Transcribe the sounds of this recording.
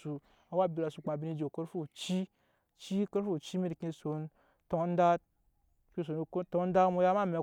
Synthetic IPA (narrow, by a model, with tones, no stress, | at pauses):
u˧ | a˨wa˦˨bʲi˧˨la˧su˨k͡pa˨bʲi˧ni˧d͡ʒe˨ko˦ɾfu˦˨t͡ʃi˦ | t͡ʃi˦ko˦ɾfu˦˨t͡ʃi˦mi˦ɾki˧so˧n˦ | to˧˦n̩˦da˦ | kʲi˧s̬o˨n˧kto˧˦n˦da˦mu˧˦ja˦ma˦me˧˨